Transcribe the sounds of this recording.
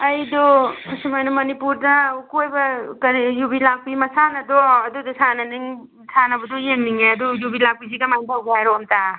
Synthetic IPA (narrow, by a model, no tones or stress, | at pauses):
ɐjdɔsimajnɐmɐnipuɾdakojbɐkɐɾijubilaɡ̚pimɐsanɐd̪ɔɐd̪ud̪ɔsanɐniŋ | sʰanɐbud̪ɔjeŋniŋeɐd̪ujubilak̚pizikamajndaɡajɾɔmta